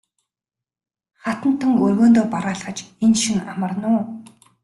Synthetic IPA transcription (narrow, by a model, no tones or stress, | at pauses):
χat̪ə̆n̥t̪ʰːə̆ŋɵrɣoːnt̪oːpaɾaːɮχə̆t͡ɕenʃĭŋamə̆rnʊː